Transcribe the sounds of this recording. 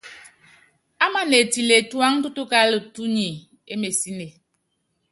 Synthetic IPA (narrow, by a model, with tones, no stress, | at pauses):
a˦ma˨ne˨ti˨le˨twa˦ŋ˦tu˦tu˦ka˦lə˨tu˦ɲi˨ | e˦me˨si˦ne˨